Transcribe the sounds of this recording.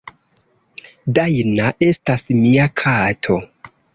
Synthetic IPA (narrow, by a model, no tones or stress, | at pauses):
dajnaʔe̞stasmiakʰatʰo̞